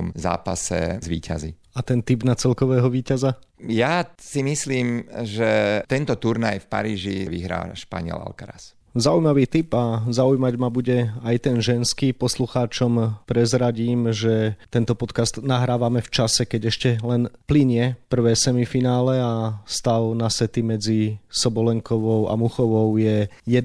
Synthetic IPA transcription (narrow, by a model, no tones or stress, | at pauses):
mza̰ːpasɛ̰zʋḭːcʰa̰zi | at̪ɛnt̪ibnat͡sɛlkɔʋɛːɦɔʋiːcazajasimisliːmʒɛt̪ɛnt̪ɔt̪uɾnajfpa̰ɾiːʒiʋiɦɾa̰ːʃpa̰ɲɪɛ̰la̰lkaɾa̰s | zaujmaʋiːt̪ipazaujmaɟmabuɟɛajt̪ɛnʒɛnskiːpɔsluxaːt͡ʃɔmpɾɛzɾaɟiːmʒɛt̪ɛnt̪ɔpɔt̪kast̪naɦɾaːʋamɛft͡ʃasɛkɛɟɛʃcɛlɛnpliɲɪɛpr̩ʋɛːsɛmifinaːlɛast̪aʊnasɛt̪imɛd͡zisɔbɔlɛŋkɔʋɔʊa̰muxɔʋɔʊjɛjɛd̪